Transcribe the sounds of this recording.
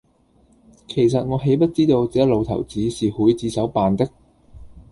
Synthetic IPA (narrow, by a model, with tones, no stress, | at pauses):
kʰe˨˩js̬ɐ˨t̚ŋɔː˨˧ɦe˨˥jpɐ˥t̚t͡siː˥t̪o˧wt͡sɛː˨˥jɐ˥lo˨˧wt̪ʰɐ̰˨˩wt͡siː˨˧siː˨huː˨˥jt͡siː˨˧sɐ˨˥wpaː˨nt̪ɪ˥k̚